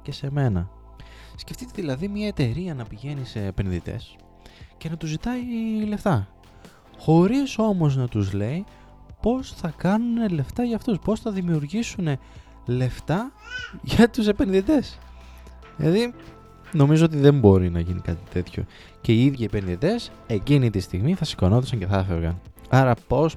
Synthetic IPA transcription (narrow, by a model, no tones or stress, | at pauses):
ce̞se̞me̞nɐ | sce̞ft̪it̪eðilɐðimɲɐe̞t̪e̞ɾiɐnɐpiʝe̞nise̞ːpe̞nðit̪e̞̰s | ce̞nɐt̪uzit̪ɐile̞ft̪ɐ | xo̞ɾiso̞mo̞znɐt̪uzle̞i | po̞sθɐkɐnune̞le̞ft̪ɐʝɐft̪uspo̞sθɐðimiuɾʝisune̞ | le̞ft̪ɐʝɐt̪use̞pe̞nðit̪e̞s | lɐði | no̞mizoo̞t̪̬iðe̞mbo̞ɾinɐʝinikɐt̪it̪e̞t̪ço̞̰ | ce̞iiðʝɐiepe̞nðit̪e̞s | e̞cinit̪ist̪iɣmiθɐsiɡonoθisɐɲce̞θɐfevɣɐ̰nɐɾɐpo̞s